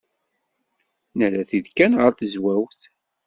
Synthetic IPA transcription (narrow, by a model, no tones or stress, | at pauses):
nəɾæθiðkænʁəɾθəzwæwθ